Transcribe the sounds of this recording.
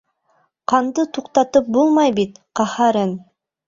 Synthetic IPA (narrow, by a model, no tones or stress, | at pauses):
qʰɑnd̪ɯt̪ʰuqt̪ɑt̪ɯp̚bolˠmɑjbit̪qɑhɑɾɤn